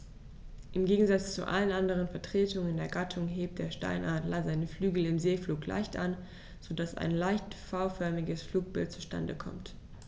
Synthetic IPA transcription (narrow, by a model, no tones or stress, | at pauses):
ʔɪmɡeːɡŋ̩zat͡st͡sṵʔa̰lənʔandəʁ̞ənfɛɐtʁ̥eːtʊŋəndeːɐɡatʰʊŋɦeːp̚t̚d̥eːɐʃta̰ɪnʔaɐtlazaɪnəflyːɡl̩ɪmzeːfluːklʔa̰ɪçtʔa̰n | z̥odasʔa̰ɪnlaɪçtfaʊfœɐmɪɡəsfluːk̚b̥ɪ̰lt̚t͡su̥ʃta̰ndə̰kʰɔ̰mt